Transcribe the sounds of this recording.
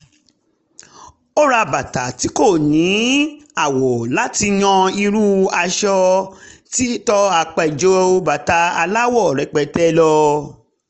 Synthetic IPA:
o˦ɾa˧ba˨ta˨ti˨˦ko˦˨nĩ˨˦a˦˨wɔ˨la˨˦ti˧j̃ɔ̃˧i˧ɾu˦a˧ʃɔ˧ti˦tɔ˦a˧k͡pɛ˧˨d͡ʒo˦o˧ba˨ta˨˧a˧la˦wɔ˦˨ɾɛ˨k͡pɛ˨tɛ˦lɔ˧

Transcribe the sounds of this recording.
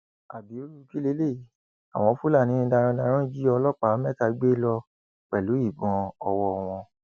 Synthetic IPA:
a̰˨bi˨˦o˦ɾu˦˧ki˦le˨˦le˦˨i˨˦ | a̰˨w̃ɔ̃˧˦fu˦la˦˨nĩ˨˦˧da˧ɾ̃ã˧da˧ɾ̃ã˦d͡ʒi˦ɔ˧lɔ˦˨k͡pa˨˦mɛ˦ta˧ɡ͡be˦lɔ˧ | k͡pɛ˨lu˨˦i˦˨bɔ̃˧ɔ˧wɔ˧w̃ɔ̃˧

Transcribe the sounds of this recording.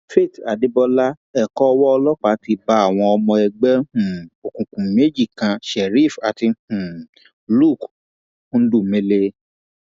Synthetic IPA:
fe˦˨ta˨de˨˦bɔ˧la˦ | ɛ˦˨kɔ˦ɔ˧wɔ˦ɔ˧lɔ˦k͡pa˨˦ti˧ba˦a˦˨w̃ɔ̃˧ɔ˧mɔ̃˧ɛ˧ɡ͡bɛ˦hũ˦˨o˨kũ˨kũ˨me˨˦d͡ʒi˦˨kã˧ʃɛ˨ɾi˦˨fa˨ti˧hũ˨ | lu˦˨k | u˦˧˦du˦˨mẽ˦le˧

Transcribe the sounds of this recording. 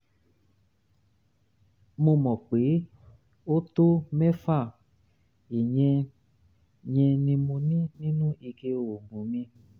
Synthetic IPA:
mo˧mɔ̃˨k͡pe˨˦ | o˦to˦mɛ˦fa˦˨ | i˨ɲɛ̃˧ | ɲɛ̃˧nĩ˧mõ˧nĩ˦nĩ˦nũ˦ʔi˧ke˧o˨mũ˨mĩ˧

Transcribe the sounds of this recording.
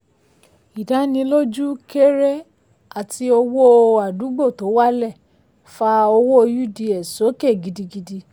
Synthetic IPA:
i˨da˨˦nĩ˧lo˦d͡ʒu˦ke˦ɾe˦ | a˦˨ti˧o˧wo˦a˨du˨˦ɡ͡bo˦˨to˨˦wa˦lɛ˦˨ | fa˧o˧wo˦˧ju˦di˧ɛ˨so˨˦ke˦˨ɡi˧di˧ɡi˧di˧

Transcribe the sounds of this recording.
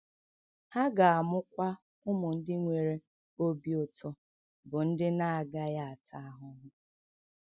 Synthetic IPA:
ha˦ɡa˨a˨mʊ˦kʷa˦ | ʊ˦mʊ˨n̩˦dɪ˦ŋʷe˨ɾe˦ | o˦bi˦ʊ˦˨tɔ˦ | bʊ˨n̩˦dɪ˦na˦a˨ɡa˦ja˦a˨tʰa˦a˦ɦʊ˦nʊ˦

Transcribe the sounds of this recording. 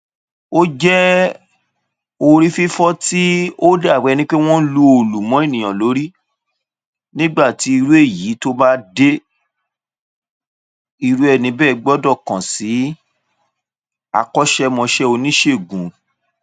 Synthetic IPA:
o˦d͡ʒɛ˦ | o˧ɾi˦fi˦fɔ˦ti˦o˦da˦˨wɛ˨˧nĩ˦k͡pe˦w̃ɔ̃˦lu˧o˨lu˨mɔ̃˨˦e˦˨nĩ˨ã˨lo˨˦ɾi˦ | nĩ˦ɡ͡ba˦˨ti˨˦i˧ɾu˦e˦˨ji˨˦to˦ba˦de˦ | i˧ɾu˦ɛ˧˨nĩ˧bɛː˦˨ɡ͡bɔ˦dɔ˦˨kã˨si˨˦ | a̰˧kɔ˦ʃɛ˦mɔ̃˧ʃɛ˦o˧nĩ˦ʃe˦˨ɡũ˨˦

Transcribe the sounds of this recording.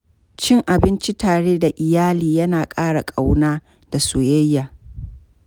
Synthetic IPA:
t͡ʃɪ˦ŋʔa˨bɪ˦nt͡ʃi˦taː˨ɽeː˦da˨ʔɪ˨jaː˦liː˨jɐ˦naː˨kʼaː˦ɽa˨kʼa˨wnaː˦ | da˨soː˨jɐ˦jːaː˨

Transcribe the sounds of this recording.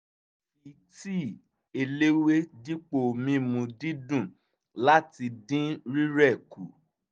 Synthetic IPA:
fi˨˦ | ti˦˨ | e˧le˦we˦di˦k͡po˦˨mĩ˧˦mũ˧di˦dũ˦˨ | la˦ti˧dĩ˦ɾi˦ɾɛ˦˨ku˨˦

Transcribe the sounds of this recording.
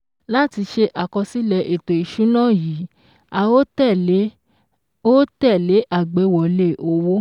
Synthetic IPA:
la˦ti˧ʃe˧ʔa˨kɔ̃˧si˦lɛ˧ʔe˨to˨i˨ʃu˨˦nã˦˨ji˨˦ | a˧wo˦tɛ˦˨˦ | o˦tɛ˦˨le˨˦ʔa˦˨ɡ͡be˨˧˦wɔ˨le˦˨ʔo˨wo˦

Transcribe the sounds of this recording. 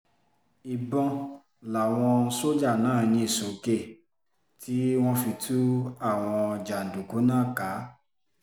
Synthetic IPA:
i˨bɔ̃˧ | la˨w̃ɔ̃˧so˦d͡ʒa˦˨nãː˨˦˨j̃ĩ˧i˦˨so˨ke˦˨ | tʰi˦w̃ɔ̃˦fi˧tʰu˦a˦˨w̃ɔ̃˧d͡ʒa˨n˨du˨ku˨˦nãː˦˨ka˨˦

